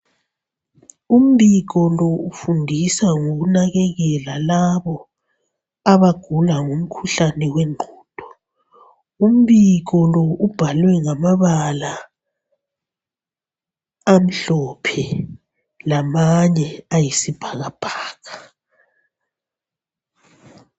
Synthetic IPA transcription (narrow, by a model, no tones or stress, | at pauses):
um̩βiɣɔlɔufundʱisaŋoɣunaɣɛɣɛlalaβɔ | aβaɡ̥ʱulaŋum̩kʰuɬanɛwɛŋ͡ǃʱɔːd̥ʱɔ̥ | um̩βiɣɔlɔub̥ʱalwɛŋamaβala | am̩ɬɔpʰɛ | lamaɲɛajisib̥ʱaɣab̥ʱaːɣa